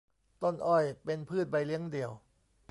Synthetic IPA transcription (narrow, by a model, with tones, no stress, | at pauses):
t̪o˥˩nʔɔ˥˩jpe˧npʰɯː˥˩t̪̚ba˧jli˦˥əŋdi˧əw